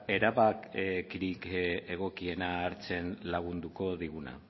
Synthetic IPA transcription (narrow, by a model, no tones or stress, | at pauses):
e̞ɾaβakkiɾike̞ɣ̞o̞kie̞naːɾt͡se̞nlaɣ̞und̪uko̞ðiɣuna̰